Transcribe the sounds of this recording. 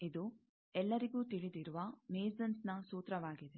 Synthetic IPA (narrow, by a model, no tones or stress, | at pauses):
id̪u | ɛlːɐɾiɡuːt̪iɭid̪iɾuʋɐmeːzɐnsnɐsuːt̪ɾɐʋaːɡid̪e